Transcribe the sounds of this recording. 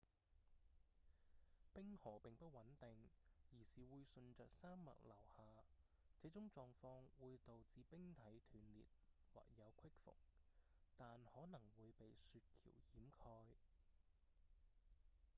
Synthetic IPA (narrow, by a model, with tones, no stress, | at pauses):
pɪ˥ŋhɔː˨˩pɪ˨ŋpɐ˥t̚wɐ˨˥nt̪ɪ˨ŋjiː˨˩siː˨wuː˨˧jsɵ˧nt͡ʃœː˨k̚saː˥mːɐ̰˨t̚lɐ˨˩whaː˨ | t͡sɛ˨˥t͡sʊ˨˥ŋt͡sɔː˧ŋfɔː˧ŋwuː˨˧jt̪o˨wt͡siː˧pɪ˥ŋt̪ʰɐ˨˥jt̪ʰyː˨˩nlḭː˨t̚wa̰ː˨k̚jɐ˨˧wkʰɪ˥k̚fʊ̰˨˩k̚ | t̪aː˨nhɔː˨˥nɐ˨˩ŋwuː˨˧jpe˨jsyː˨˧t̚kʰḭː˨˩wjiː˨˥mkʰɔː˧j